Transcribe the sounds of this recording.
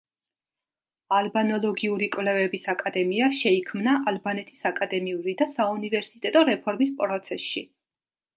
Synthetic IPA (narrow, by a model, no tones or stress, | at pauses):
albanɔlˠɔɡiuɾikʼwvlɛvɛbisakʼad̪ɛmiaʃɛikʰmnaʔalbanɛt̪ʰi̥sakʼad̪ɛmiuɾid̪asaunivɛɾsit̪ʼɛt̪ʼɔɾɛpʰɔɾmispʼɾɔt̪sʰɛsʃḭ